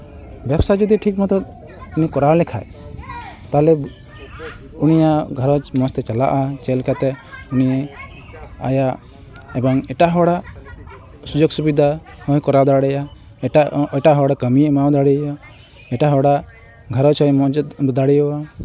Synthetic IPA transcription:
bjɛbsad͡ʒɔd̪iʈʰikmɔt̪ɔ | unikɔɾawlɛkʰa̰j | t̪aɦlɛ | unijaɡʱaɾɔt͡ʃmɔst̪ɛt͡ʃala̰ʔat͡ʃɛlkʰat̪ɛunijɛ | a̰ja | ɛbɔŋɛʈaɦɔɽa | sud͡ʒɔɡsubid̪ʱahɔjkɔɾawd̪aɽɛja | aʈaɦɔɽakəmimawd̪aɽia | ɛʈaɦɔɽa | ɡʱəɾɔt͡ʃɔjɔd̪aɽijɔwa

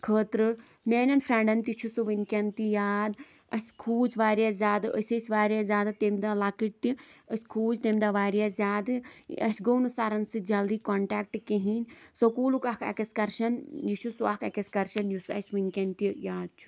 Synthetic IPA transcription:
kʰəːt̪ɾɨ | meːnʲɐnfɾeɳɖɐnt̪it͡ʃʰusuʋɨnʲkʲɐnt̪ijaːd̪ | ɐsʲkʰuːd͡ʒʋaːɾijazʲaːd̪ɨə̰sʲəsʲʋaːɾʲjazʲaːd̪ɨt̪emd̪alakiʈ̚t̪iəsʲkʰuːd͡ʒt̪emʲd̪aʋaːɾjazʲjaːd̪ɨ̰ɐ̰sʲɡownusaɾɐnsɨd͡ʒɐld̪iːkoːɳʈaːk̚ʈkeɦinʲsokuːlukakʰɐ̰kɐskɐɾʃɐnjit͡ʃʰusuakʰɐkɐsʲkɐɾʃɐnjusɐ̰sʲʋɨnʲkʲɐnt̪ijaːd̪̚t͡ʃʰu̥

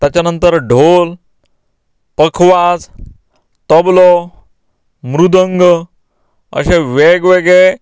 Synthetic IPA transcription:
t̪jat͡ɕjanənt̪əɾɖʱol | pəkʰʋad͡z | t̪ɔblɔ | mɾud̪ʱəŋɡ | ə̰ɕeʋeɡʋeɡɭe

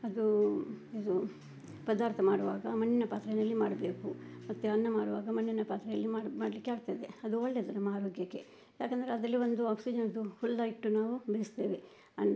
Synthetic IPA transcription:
ɐd̪ued̪u | pɐd̪aːɾt̪ʰɐmaːɽuʋaːɡɐmɐnːinɐpaːt̪ɾɐjɐnɐlːimaːɽɐbe̞ːkumɐt̪ːuɐnːɐmaːɽuʋaːɡɐmɐnːinɐpaːt̪ɾɐjɐlːimaːɽmaːɽɐlikːeaːɡt̪ːaid̪eɐd̪uɔɭːeːd̪ɐɾɐmɐɦaːɾoːɡjɐkːe̞ | jaːkend̪ɐɾeɐd̪ɐlːiʋond̪uaːpsid͡ʒɐnɐd̪ufulːɐiʈːunaːʋubeist̪e̞ːʋe | ɐn

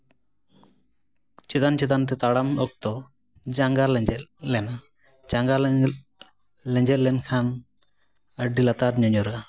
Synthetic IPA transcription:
t͡ʃɛt̪ant͡ʃɛt̪ant̪̬ɛt̪aɽamɔk̚t̪ɔ | d͡ʒaŋɡalɛd͡ʒɛt̪̚lɛna | d͡ʒaŋɡal | lɛɲd͡ʒɛt̪̚lɛnkʰan | əɖilat̪aɾɲɔɲɔɾɡa

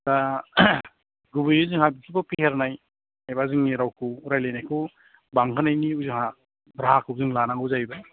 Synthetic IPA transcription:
ta | ɡubɯjuzɯŋhabikʰibɔpiheɾnaj | ajbazɯŋiɾawkʰuɾajlenajkʰu | baŋkʰanajniuzɯŋha | bɾaɦakʰuzɯŋlanaŋɯzajba

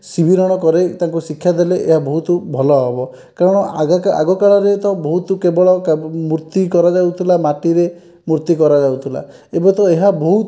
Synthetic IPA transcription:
sibʱiɾɔɽ̃ɔkɔɾet̪aŋkusikʰːjad̪eleʔeɦabɔɦut̪ubʱɔlɔɦɔbɔ | kaɾɔɽ̃ɔɡaka̰ɡɔkaɭɔɾet̪ɔbɔɦut̪ukebɔɭɔkmuɾt̪ikɔɾad͡ʒawt̪ʰilamaʈiɾe | muɾt̪ikɔɾad͡ʒawt̪ʰila̰ | ebɔt̪ɔeɦabɔɦu

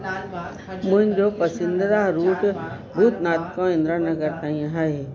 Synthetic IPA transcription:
mʊ̃ɦɪ̃ɲd͡ʑopɐsɪ̃nd̪d̪aɾuːʈ | bʱuːt̪naːt̪kãɪ̃nd̪ɾanɐɡəɾt̪aːĩãɦaeː

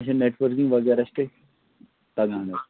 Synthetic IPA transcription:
ɕẽneʈʋəɾkĩŋɡʋɐɡɛɾɐsʈe | t̪ɐɡãːne

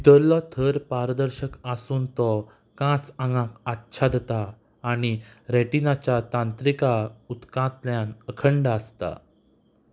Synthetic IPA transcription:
d̪əɾlɔt̪ʰəɾpaɾd̪əɾɕəkasuːnt̪ɔ | kãt͡sãŋɡãkatːɕʰad̪et̪aː | ɽ̃iɾeʈinat͡ɕjat̪ãnt̪ɾikaut̪kãt̪ljãnəkʰəɳɖaəst̪a̰

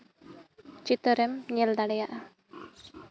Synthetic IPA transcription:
t͡ʃit̪ɔɾɛmɲɛld̪aɽɛjaʔa

